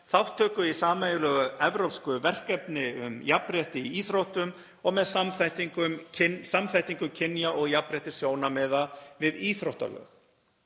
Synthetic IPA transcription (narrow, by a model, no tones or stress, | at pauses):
θawht̪ʰːœːkʏisaːmaejlœːɣaɛvɾowpskʏvɛr̥kɛpnɪʏ̰mjapɾɛht̪ɪiiːθɾowht̪ʏm | ɔɣmɛðsamθajht̪iŋkʏmcʰɪnsamθajht̪iŋkʏmcʰɪnjaʔɔɣjapɾɛht̪ɪ̥sjoːwnamɛːðavɪðiːθɾowht̪a̰lœ̰ːx